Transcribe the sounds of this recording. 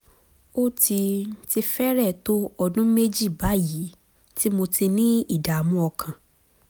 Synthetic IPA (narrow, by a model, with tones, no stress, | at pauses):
o˦ti˧n̩˦ti˧fɛ˦ɾɛ˦˨to˦ɔ˧dũ˦me˦d͡ʒi˦˨ba˨˦ji˨˦ | ti˦mo˧ti˧nĩ˦i˦˨da˨mũ˦ɔ˧kʰã˨